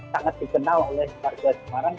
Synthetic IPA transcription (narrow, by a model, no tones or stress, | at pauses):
saŋat̪̚d̥ikənalolɛhkarɡasəmaɾaŋ